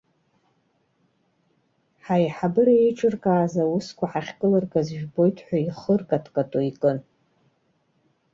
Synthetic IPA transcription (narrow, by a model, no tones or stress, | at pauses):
ħajħabɨraejʈ͡ʂʰʼɨrkʼaːzawʊskʷʰaħaχʲkʼɨlɨrkʼazʒᶣbo̞jtʰʼħʷᶣaiχərkʼatʰkʼatʼoikʼɨn